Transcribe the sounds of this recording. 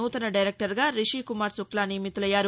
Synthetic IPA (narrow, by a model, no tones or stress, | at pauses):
uːt̪ɐnɐɖɐjɾek̚ʈɐɾɡaːɾiʃiːkumaːɾsuklaːniːɐmit̪ːulɐjːaːɾu